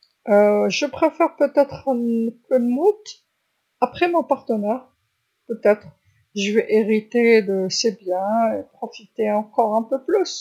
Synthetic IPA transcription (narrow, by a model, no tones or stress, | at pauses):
øʒəpχefɛʁpøt̪ɛt̪χynpʰød̪mut̪ | apχɛmɔ̃paʁt̪ənɛʁ | pøt̪ɛt̪χ | ʒəvɛʔeʁit̪ed̪əsebjɛ̃epχɔfit̪eɑ̃kɔʁɛ̃pøplys